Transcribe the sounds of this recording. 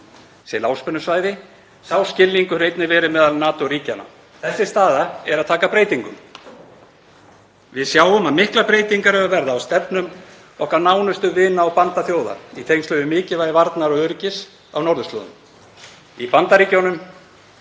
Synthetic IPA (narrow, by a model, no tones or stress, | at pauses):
sɛlawspʏnːʏsvaːjðɪ | sawscɪlːiŋkʏrejt̪nɪvɛːɾʏmɛːðalnaːt̪ɔriːcana̰ | θɛsːɪst̪aːðaɛɾaðt̪ʰaːkapɾeːjt̪iŋkʏm | vɪðsjaːwʏmaðmɪhklapɾeːjt̪iŋkaɾhɛvavɛɾðaːwst̪ɛpnʏm | ɔhkaɾnaːwnʏst̪ʏvɪːnaɔwpant̪aθjoːwða̰it̪ʰejŋnst̪œvʏmɪːcɪvajðɪvaɾt̪naɾɔʏɾcɪs | a̰wnɔɾðʏst̪lɔ̰ːðʏ | ipant̪aɾiːcownʏm